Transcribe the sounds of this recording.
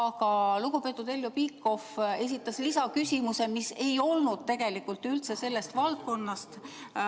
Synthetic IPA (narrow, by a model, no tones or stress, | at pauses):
ɑkɑluɡupe̞ːt̪ːˑud̪e̞ljopikːˑo̞fe̞s̬ʲit̪ːˑɑslisɑkysʲimuse̞mise̞jo̞lnud̪̥̚t̪e̞ɡ̥e̞likːˑult̪ylt̪se̞se̞lːe̞st̪vɑlt̪̚ko̞nːɑst̪